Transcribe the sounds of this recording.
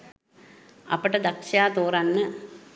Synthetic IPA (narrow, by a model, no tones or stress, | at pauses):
ɐ̰pɐʈɐd̪ɐkʂaːt̪oːrɐnːə